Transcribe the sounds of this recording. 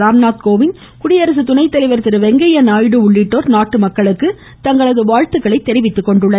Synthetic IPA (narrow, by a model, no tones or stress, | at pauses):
aːmnaːt̪̚koːʋɪn | kʊɽɪjɐɾɐs̬ɯt̪ʊnɐɪt̪ːɐlɐɪʋɐɾt̪ɪɾɯʋɛŋɡɐjɐnaːjɽɯʊɭːɪʈːoːɾnaːʈːɯmɐkːɐɭɯkːɯ | t̪ɐŋɡɐɭɐðɯʋaːɻt̪ɯɣɐɭɐɪt̪ːɛɾɪʋɪt̪ːɯkːɔɳɖɯɭːɐ